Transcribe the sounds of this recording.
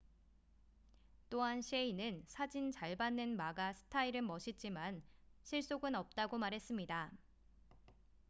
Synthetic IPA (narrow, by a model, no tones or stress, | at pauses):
t͈oɦanɕʰeinɯnsʰad͡ʑint͡ɕaɭbanːɯnmaɡasʰɯ̥tʰaiɾɯmʌɕʰit̚t͡ɕ͈imanɕʰiɭs͈oɡɯnʌp̚t͈aɡomaɾɦe̞s͈ɯmɲida